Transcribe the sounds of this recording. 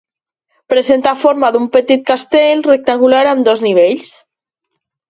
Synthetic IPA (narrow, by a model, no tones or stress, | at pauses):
pɾəzent̪afoɾmaðumpət̪it̪̚kast̪elˠrek̚t̪aŋɡulaɾamd̪ɔzniβ̞eʎs